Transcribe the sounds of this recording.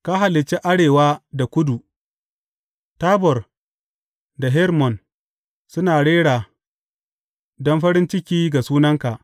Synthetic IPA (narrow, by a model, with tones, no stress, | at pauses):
ka˦ɦa˨lɪ˨t͡ʃːe˦ʔa˦ɽeː˨waː˦da˨kʷʊ˦du˨ | taː˦bɔ˨r | da˨ɦɛ˦ɾmɔ˨n | sʊ˦naː˨ɽeː˦ɽaː˨ | dɔ˦mɸɐ˦ɾɪ˦nt͡ʃɪ˦kʲiː˦ɡa˨suː˦nɐ˦ŋka˨ʔ